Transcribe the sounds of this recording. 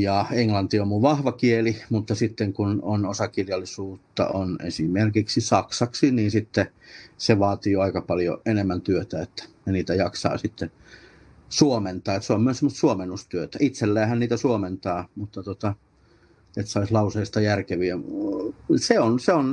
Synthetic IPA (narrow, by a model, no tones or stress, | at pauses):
jɑeŋlɑnt̪iommuʋʋɑhʋɑkielimut̪ːɑsit̪ːeŋkunonosɑkiljɑlːˑisuːt̪ːɑ̰ʔonḛsimerkiksisɑksɑksiniːnsit̪ːe | seʋɑːt̪iːoɑikɑpɑljo̰enemːænt̪yøt̪æet̪ːæ̥neniːt̪æjɑksɑ̰ːsit̪ːen | suoment̪ɑːet̪seommyøssemːəst̪suomenːust̪yøt̪æit̪selːæːhænniːt̪æsuoment̪ɑːmut̪ːɑt̪ot̪ɑ | et̪sɑislɑuseist̪ɑjærkeʋiæ | seonseon